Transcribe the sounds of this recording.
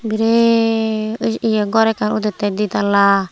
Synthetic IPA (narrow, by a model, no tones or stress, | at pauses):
biɾe | usijaɡɔɾɛkanut̪ɛt̪ɛd̪it̪ala